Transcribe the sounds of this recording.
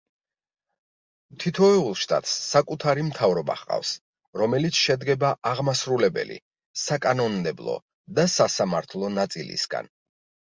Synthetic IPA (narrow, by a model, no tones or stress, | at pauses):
mt̪ʰit̪ʰɔɛulˠʃt̪ʼa̰t̪ʼsːakʼut̪ʰaɾimt̪ʰavɾɔba̰χqʼa̰fs | ɾɔmɛlit̪sʰʃɛd̪ɡɛbaʔaʁmasɾulɛbɛ̰lḭ | sakʼanɔnd̪ɛblˠɔ̰ | d̪asasamaɾt̪ʰlˠɔnat̪sʼilḭsɡa̰n